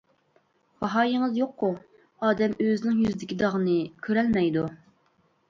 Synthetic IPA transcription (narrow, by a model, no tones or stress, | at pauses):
vɑɦɑːjiŋɨzjoqʰːʊ | ɑːd̪ɛmøzɪnɪŋjyzɪd̪ɪkʲid̪ɑʁənɨkʲʰøɾɛlmɛjd̪u